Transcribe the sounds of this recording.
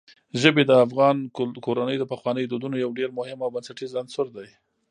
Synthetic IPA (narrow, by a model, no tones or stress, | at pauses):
ʒəbed̪əafɣɑnkoɾanəjd̪əpaxwɑnəjd̪od̪unojawɖeɾmʊhɪmawbansaʈizansʊɾd̪aj